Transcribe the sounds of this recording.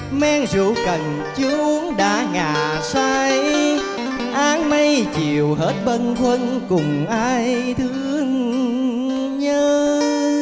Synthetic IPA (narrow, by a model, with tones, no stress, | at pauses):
mɛ˧ŋzṵ˧˨˥kə˨˩n | t͡ɕɨ˧˦u˧˦ŋɗa̰ː˧˥ŋaː˧˩ | saː˧j | ʔaː˨˧˥ŋma˧jt͡ɕi˨˩əwɦe˦˥t̚ɓə˧nkʰwə˧n | kʊ˨˩ŋ͡mʔaː˧j | t̪ʰɨ˧˦əŋ | ɲəː˧